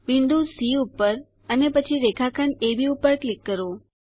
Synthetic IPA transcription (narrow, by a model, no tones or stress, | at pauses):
ʋind̪usiupːəɾ | ənepət͡ʃʰiɾekʰakʰənebʱiupəɾklikːəɾo